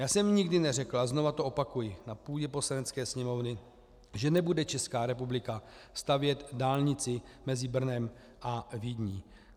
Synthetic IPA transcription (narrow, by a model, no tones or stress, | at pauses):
jaːsɛmɲɪɡdɪnɛrɛklazno̞vat̪oʔo̞pakujɪnapuːɟɛpo̞slanɛt͡skɛːsɲɛmo̞vnɪ | ʒɛnɛbudɛt͡ʃɛskaːɾɛpublɪka | st̪avjɛt̪daːlɲɪt͡sɪmɛzɪbr̩nɛm | ʔavidɲiː